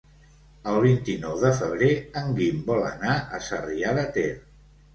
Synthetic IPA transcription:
əlˠβ̞int̪inɔwðəfəβ̞ɾeəŋɡimbɔlə̰naʔəsəriaðət̪eɾ

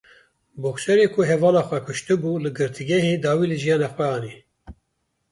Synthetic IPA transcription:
boxʃɛɾeːkʰʊɦɛvɑːlɑːxʷɛkʰʊʃt̪ɨbuːlɨɡɨɾt̪ʰɨɡʲɛheːd̪ɑːwiːlɨʒijɑːnɑxʷwɛɑːni

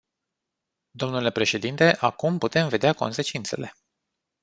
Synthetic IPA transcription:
d̪o̞mnule̞pɾe̞ʃe̞d̪int̪e̞ʔakumput̪e̞mve̞d̪eako̞̰nse̞t͡ʃint̪se̞̰le̞̰

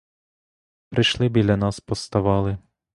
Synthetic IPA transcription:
pɾɪʃlˠɪbʲilʲːɐnɑspɔst̪ɐʋɑlˠɪ

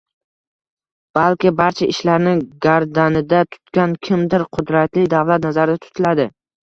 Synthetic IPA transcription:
b̥alkʲɪbaɾt͡ʃʰaɪʃlaɾnɪɡaɾd̪anɪd̪at̪ʰʊ̥t̪kʲankʲʰɪmd̪ɪɾqʰʊd̪ɾat̪lɪd̪avlat̪nazaɾɪd̪at̪ʰʊ̥t̪ʰɪlad̪ɪ

